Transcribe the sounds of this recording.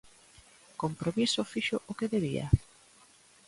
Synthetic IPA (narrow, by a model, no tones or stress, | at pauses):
kompɾomisʊfiʃʊʔokeðeβia̰